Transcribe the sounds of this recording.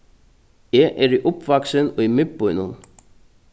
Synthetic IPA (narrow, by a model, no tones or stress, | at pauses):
ɛʔɛɾiʔʊpvaksɪnɔɣimɪpʊjnʊ̰n